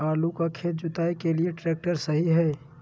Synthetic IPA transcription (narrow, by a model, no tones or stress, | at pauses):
aːlukakʰeːt̪̚d͡ʒʊt̪aːekelieʈɾɛːk̚ʈəɾsɐɦiɦɛː